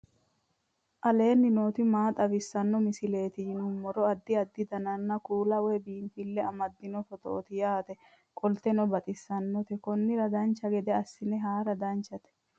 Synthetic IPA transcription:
ʔɐle̞ːnːɪno̞ːt̪ɪmaːt̪ʼɐbɪsːɐnːɔmɪsɪle̞ːt̪ɪjnʊmːɔɾɔɐd̪ːɪɐd̪ːɪd̪ɐnɐnːɐkuːlɐwɛbiːmfɪlːɛɐmɐd̪ːɪnɔfɔt̪ɔ̰ʔːt̪ɪjaːt̪ɛ | kʼɔlt̪ɛnɔbɐt̪ʼɪsːɐnːɔt̪ɛkɔnːɪɾɐd̪ɐnt͡ʃːɐɡɛd̪ɛɐsːɪnɛɦaːɾɐd̪ɐnt͡ʃːɐt̪ɛ̥

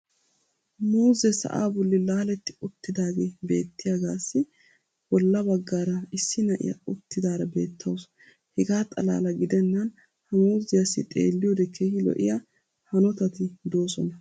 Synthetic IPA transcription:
muːzɛsɐ̰ʔa̰ːbʊlːɪlaːlɛt̪ːɪ̥ʊt̪ːɪd̪aːɡeːbe̞ːt̪ːɪjaɡaːsːɪ | bɔlːɐbɐɡːaːɾɐɪsːɪnɐʔɪ̰jɐ̰ʊt̪ːɪd̪aːɾɐbe̞̰ːt̪ʰːɐws | hɛɡaːt̪ʼɐ̰la̰ːlɐɡɪd̪ɛnːɐn | hɐmuːzɪjɐsːɪt̪ʼḛːlːɪjɔd̪ɛkʰeːhɪlɔ̰ʔɪ̰jɐ | hɐnɔt̪ɐt̪ɪd̪o̞ːsɔnɐ

